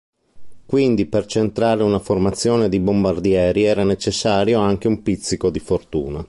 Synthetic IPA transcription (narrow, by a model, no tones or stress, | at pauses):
kwind̪ipert͡ʃent̪ɾaːɾeunaformat̪sːjoːned̪ibombard̪jɛːɾiɛːɾanet͡ʃesːaːɾjoaŋk̟eumpit̪sːikod̪ifort̪ṵːna